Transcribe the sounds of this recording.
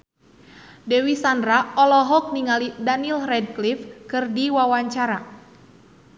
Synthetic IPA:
dɛwisandɾaɔlɔɦɔk̚niŋalidanilrɛd̚klifkɨrdiwawaɲt͡ʃaɾa

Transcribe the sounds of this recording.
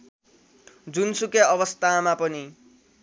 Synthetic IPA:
d͡zunsukjaʌbʌst̪amapʌni

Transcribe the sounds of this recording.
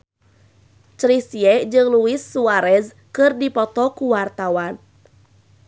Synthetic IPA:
t͡ʃɾisiɛd͡ʒɨŋluɪsːuaɾɛs | kɨrdipɔt̪ɔkuwart̪awan

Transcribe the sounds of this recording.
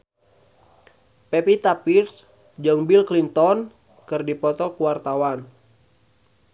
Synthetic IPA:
pɛpit̪apirs | d͡ʒɨŋbilklint̪ɔn | kɨrdipɔt̪ɔkuwart̪awan

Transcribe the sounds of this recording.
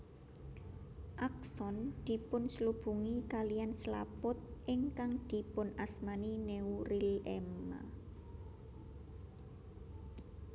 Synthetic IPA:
ʔak̚sɔnd̪̥i̤pʊnslub̥ṳŋikalijansla̰pʊt̪̚ʔɪŋkaŋd̪̥i̤pʊnʔasmanineurilɛma̰

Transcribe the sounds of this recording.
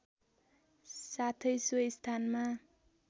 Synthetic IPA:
sat̪ʰʌjsuʌst̪ʰanma

